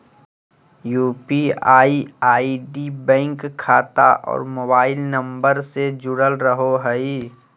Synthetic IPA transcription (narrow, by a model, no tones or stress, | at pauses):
juːpiaːiaːiɖibɛ̃ːŋkʰːaːt̪a̰ʔɔ̰ːɾmoːbaːɪlnə̃mbəɾsed͡ʒʊɽəlɾəɦoɦəi